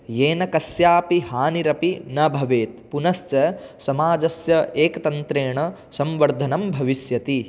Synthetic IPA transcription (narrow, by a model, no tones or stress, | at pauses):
jeːnɐkɐsjaːpiɦaːniɾɐpinɐbʱɐʋeːt̪̚punɐst͡ʃɐsɐmaːd͡ʒɐsjɐeːkɐt̪ɐnt̪ɾeːɳɐ | sɐmʋɐɾd̪ʱɐnɐmbʱɐʋisjɐt̪i